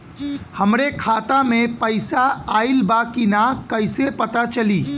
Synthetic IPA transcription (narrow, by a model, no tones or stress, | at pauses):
hɐmɾekʰaːt̪amẽpɐɪsaaːɪlbakinakɐɪsepɐt̪at͡ʃɐliː